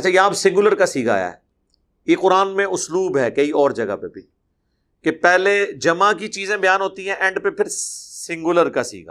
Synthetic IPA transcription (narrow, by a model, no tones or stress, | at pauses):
ɐt͡ʃʰaːjɐɦãːpesɪ̃ŋɡʊləɾkasiːɡa̰ːja̰ɦɛ̰ | jeːqʊɾaːnmẽʔʊsluːbɦɛːkɐiɔːɾd͡ʒɐɡa̰pḛbʱi | kepɛːled͡ʒɐmãkit͡ʃiːzẽbɐjaːnɦoːt̪iɦɛ̃ʔɛ̃ɳɖpepʰɪɾsɪ̃ŋɡʊləɾkasḭːɡa̰ː